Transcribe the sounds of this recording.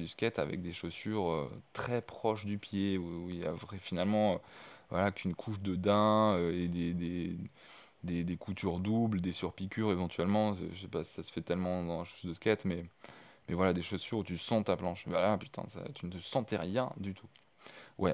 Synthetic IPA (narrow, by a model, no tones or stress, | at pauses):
d̪yskʲɛt̪a̰vɛ̰k̚d̪eʃosyʁø̰t̪χɛpχɔʃd̪ypjeuilja̰vʁɛfinalmɑ̃øvwalakynkʰuʃd̪əd̪ɛ̃øed̪ed̪e | d̪ed̪ekʰut̪yʁd̪ubld̪esyʁpikʲyʁevɑ̃t̪ɥɛlmɑ̰̃ʒsɛpasi̥sasə̥fɛt̪ɛlmɑ̃d̪ɑ̃ɛ̃ʃo̥sd̪əskʲɛt̪mɛmɛvwalad̪eʃosyʁut̪ysɑ̃t̪aplɑ̃ʃvalapy̥t̪ʰɛ̰̃sa̰t̪ynət̪əsɑ̃t̪ɛʁjɛ̃d̪yt̪ʰu | wɛ̰